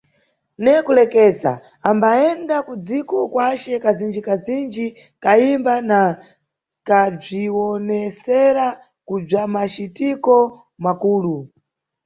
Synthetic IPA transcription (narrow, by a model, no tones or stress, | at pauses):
nɛkulɛkɛːza̰ | ambaɛndakud͡zikɔkwat͡ʃɛkazind͡ʒikazind͡ʒi | kaimbana | kab͡ʐiwɔnɛsɛɾa | kub͡ʐamat͡ʃitikɔ | makuːlu